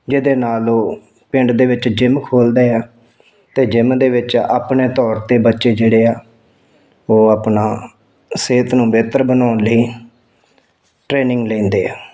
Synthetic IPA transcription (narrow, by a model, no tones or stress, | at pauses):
d͡ʒɪd̪eːnaːloː | pɪ̃ɳɖd̪eːʋɪt͡ʃd͡ʒɪmkʰoːld̪eːaː | t̪eːd͡ʒɪmd̪eːʋɪt͡ʃa̰ːpneːt̪ɔːɾt̪eːbətːʃeːd͡ʒeːɽeːaː | oːaːpnaː | seːt̪nũːbeːt̪əɾbənaːnləiː | ʈɾeːnɪŋɡlẽːnd̪eːaː